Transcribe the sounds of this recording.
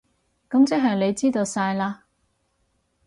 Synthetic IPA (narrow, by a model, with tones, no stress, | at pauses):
kɐ˨˥mt͡sɛ˥k̚ɦɐ˨˩jle˨˧jt͡siː˥t̪o˧wsaː˧jlaː˧